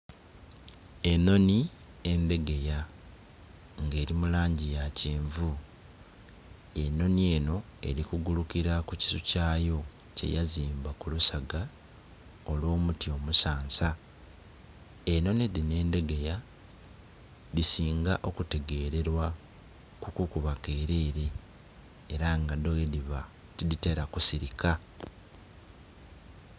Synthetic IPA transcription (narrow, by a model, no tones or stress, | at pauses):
e̞no̞ni | e̞nde̞ɡe̞ja | ŋɡe̞ːɾimulaːɲɟijaciːɱvu | e̞no̞nie̞ːno̞e̞̰ɾikuɡulukiɾakuci̥sucaːjo̞ | ce̞̰jaziːmbakulusaɡa | olwo̞ːmutio̞musaːnsa | e̞no̞neðine̞ːnde̞ɡe̞ja | ðisiːŋɡaʔo̞kute̞ɡe̞ːɾe̞ɾwa | kukukuβake̞ːɾe̞ːɾe̞ː | ɾaŋɡadojediβa | tidite̞ɾakusiɾikʰa